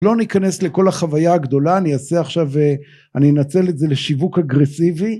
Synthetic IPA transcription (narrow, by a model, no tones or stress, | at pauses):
lo̞nikanesle̞ko̞laχavajaːɡd̪o̞laːniaseaχʃave | aninat͡se̞le̞tze̞leʃivukaɡʁe̞sivi